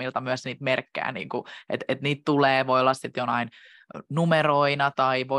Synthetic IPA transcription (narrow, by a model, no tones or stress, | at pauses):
ilt̪ɑmyæsniːt̪merkːæ̰ːnḭːŋkuʔḛt̪et̪niːt̪t̪uleːʋoiolːɑssit̪jonɑin | numeroinɑt̪ɑiʋo